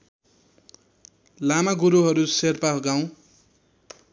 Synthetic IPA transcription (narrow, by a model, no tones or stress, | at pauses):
lamaɡuɾuɦʌɾuserpaɡaw̃